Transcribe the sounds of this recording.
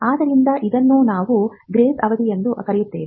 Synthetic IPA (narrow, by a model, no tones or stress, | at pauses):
aːd̪ɐɾind̪ɐʔid̪ɐnːuːnaːʋuɡɾeːt̪ɐʋɐd̪iend̪ukɐɾɛjut̪ːeːʋi